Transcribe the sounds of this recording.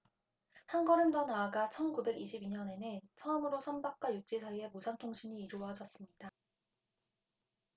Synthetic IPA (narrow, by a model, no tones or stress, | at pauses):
hanɡʌɾɯndʌnaːɡat͡ɕʰʌnkube̞ɡiɕʰibiɲʌne̞nɯnt͡ɕʰʌʌmɯɾosʰʌnbak̚k͈wajut͡ɕ͈isʰaie̞musʰantʰoŋɕʰiɲiːɾuwʌɦad͡ʑʌs͈ɯmɲida